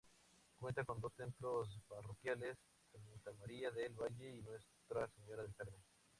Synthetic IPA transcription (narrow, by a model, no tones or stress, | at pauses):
kwe̞nt̪ako̞nd̪o̞st̪e̞mplosparokjale̞s | emunt̪amaɾiaðelβaʝe̞inwe̞st̪ɾase̞ɲo̞ɾaðelseɾβe